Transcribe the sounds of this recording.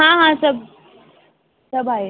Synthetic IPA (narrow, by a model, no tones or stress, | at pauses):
ɦãɦãsəb̚ʱ | səbʱae